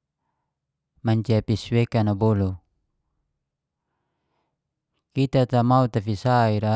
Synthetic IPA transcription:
maɲt͡ʃiapisuwekanabolo | kit̪at̪amaut̪afisaiɾa

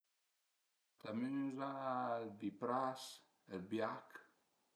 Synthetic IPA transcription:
t̪aminzabipɾas | albiak

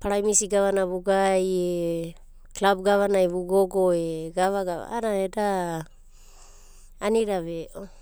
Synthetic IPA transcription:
paɾajmisiɡaβanaβuɡaje | klab̚ɡaβanajβuɡoɡoeɡaβaɡaβa̰aɾaeda | niɾaβeʔo

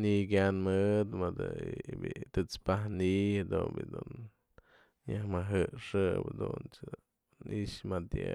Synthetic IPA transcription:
nik̬ʲanmɨd̪mɨd̪ɨbit̪ɨt͡spahnihad̪unbḭd̪un | jahmaɦɨʂɨbd̪unt͡ʃ | iʔʂmat̪je

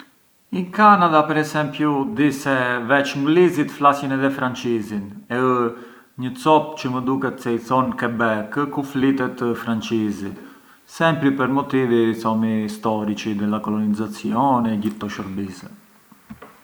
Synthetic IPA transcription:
iŋkanad̪apɛɾɛsɛmpjud̪isɛvɛt͡ʃŋɡlizit̪flasjɛnɛðɛfɾant͡ʃizinɛə | ɲət͡sɔpt͡ʃəməd̪ukɛt̪sɛjθɔnkɛbɛkəkuflit̪ɛt̪əfɾant͡ʃizi | sɛmpɾipəɾmɔt̪ivisɔmist̪ɔɾit͡ʃid̪ɛlakɔlɔnizat͡sjɔnɛɟit̪ːɔʃɔɾbisɛ

